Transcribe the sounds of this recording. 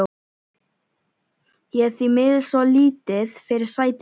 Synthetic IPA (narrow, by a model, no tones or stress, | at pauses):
jɛɣθimɪðsɔliːt̪ɪðfɪɾɪɾ̥saːjt̪